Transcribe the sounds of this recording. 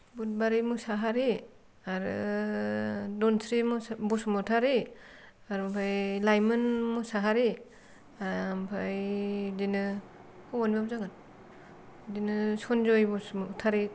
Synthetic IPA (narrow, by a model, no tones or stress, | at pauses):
but̚baɾimusaɦaɾi | aɾɯ̰ | dɔnsɾimubusmɔtʰaɾi | aɾmpʰajlajmɯnmusaɦaɾi | ampʰajdinɯ | hɔwanbap̚zaɡan | dinɯsɔnzɔjbusmutʰaɾi